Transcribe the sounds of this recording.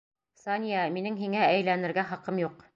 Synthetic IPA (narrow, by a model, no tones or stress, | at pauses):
sɑnʲijɑminɘŋɦiŋææjlænɘ̆ɾɡæχɑqɤmjuq